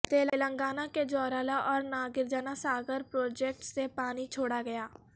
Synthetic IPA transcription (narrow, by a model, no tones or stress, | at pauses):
t̪eːlələ̃ŋɡaːnaked͡ʒɔːɾaːlaʔɔːɾnaːɡɪɾd͡ʒaːnasaːɡəɾpɾoːd͡ʒɛːk̚ʈsepaːnit͡ʃʰoːɽaɡɐjaː